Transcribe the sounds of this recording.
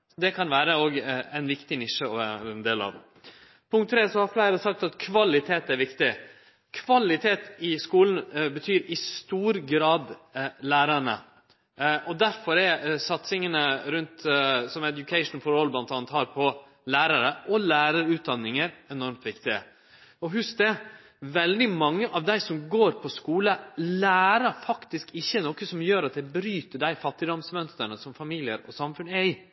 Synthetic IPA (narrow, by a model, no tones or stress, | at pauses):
d̪ɛkʰɑnʋæːɾəoːɡæɪnʋɪkt̪ɪnɪʂːəɔʋæːɾəɾəɛnd̪eːlɑ̰ʋ | pʰʊŋkt̪ʰːɾeːsɔhɑɾflæɪɾəsɑk̚t̪ɑt̪kʰʋɑlɪt̪ʰeːt̪æʋɪkt̪ɪ | kʰʋɑlɪt̪ʰeːt̪ɪskuːln̩bət̪ʰyːɾɪst̪uːɾɡɾɑːd̪læːɾəɳə̰ | ʔɔd̪æɾfɔɾɛɾsɑt̪sɪŋənəɾʉnt̪sɔmɛd̪jʊkʰɛɪʂn̩fɔɾɔlblɑnt̪ɑːnət̪hɑːɾpʰɔ | læːɾɑɾəʔɔlæːɾəɾʉːt̪̚d̪ɑnːɪŋəɾɛnɔɾmt̪ʋɪkt̪ɪə̰ | ɔɦʉsk̚d̪ɛ | ʋɛld̪ɪmɑŋːəʔɑʋd̪æɪsɔmɡoːɾpʰɔskuːləlæːɾəɾfɑkt̪ɪskɪçːənoːkəsɔmjøːɾɑt̪̚d̪æɪbɾyːt̪əɖæɪfɑt̪ːɪd̪ɔmsmœnst̪əɳəsɔmfɑmiːlɪəɾɔsɑmfʉnəɛɪ